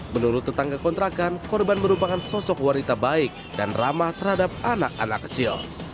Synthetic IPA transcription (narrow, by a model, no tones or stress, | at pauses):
mənuɾʊt̪ːət̪aŋkakɔnt̪ɾakankɔrbanməɾupakansɔsɔkwanit̪abaɪk̚danramaht̪ərhadap̚anak̚a̰na̰kːə̥t͡ʃɪl